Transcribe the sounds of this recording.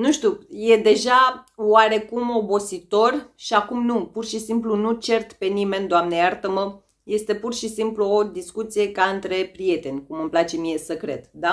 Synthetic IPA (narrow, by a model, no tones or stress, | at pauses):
nuʃt̪uje̞d̪e̞ʒawaɾe̞kumo̞bo̞sit̪o̞rʃiakumnupurʃisimplunut͡ʃe̞rt̪pe̞nime̞nd̪oamneart̪əmə | je̞st̪e̞purʃisimpluo̞d̪iskut̪sije̞kaɨnt̪ɾe̞pɾije̞t̪e̞nʲkumɨmplat͡ʃe̞mije̞səkɾe̞̰d̪d̪a